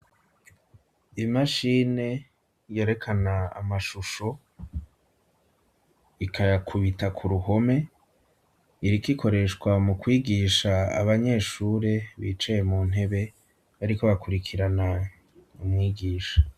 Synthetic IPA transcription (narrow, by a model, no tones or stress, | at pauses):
imaʃine̞ | jeɾe̞kʰanaa̰maʃuʃo̞ | ikʰajakʰuβitakʰuɾuho̞me̞ | iɾikikʰo̞ɾe̞ʃkwamukwiːɡiʃaa̰βaɲe̞ːʃuːɾe̞βḭːt͡ʃejemuːn̥e̞βe̞ | βaɾiko̞βakuɾikʰiɾana | umŋiːɡiːʃḁ